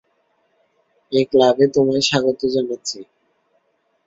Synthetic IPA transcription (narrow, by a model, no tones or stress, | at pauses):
eklabet̪omaeʃaɡot̪od͡ʑanaːt͡ɕʰi